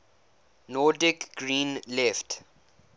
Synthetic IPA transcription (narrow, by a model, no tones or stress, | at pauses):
nɔdɪkɡɹĩːnlɛft